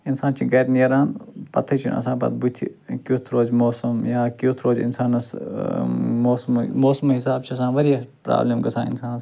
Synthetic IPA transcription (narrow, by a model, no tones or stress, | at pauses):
insaːnt͡ʃʰiɡɐt̪niɐɾaːnpɐ̰t̪ʰɐt͡ʃʰḭnɐ̰s̬ãːbɐ̰t̪̚but̪ʰḭkjot̪ʰɾoːzmoːsɐmjaːkoːt̪ʰɾoːzḭnsaːnɐs | moːsmmoːsmɦisaːbt͡ʃʰiɐsãːʋɐɾijɐpɾa̰ːbleːmɡɐsã̰ːɪ̰nsaːnɐs